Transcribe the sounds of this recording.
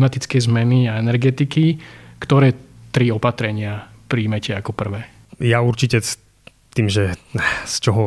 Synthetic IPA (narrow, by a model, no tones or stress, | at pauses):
mat̪it͡skɛjzmɛniaɛnɛɾɡɛt̪ikikt̪ɔɾɛːt̪ɾiɔpat̪ɾɛɲɪa | pɾiːmɛcɛakɔpr̩ʋɛː | jauɾt͡ʃicɛs | t̪iːmʒɛst͡ʃɔɦɔ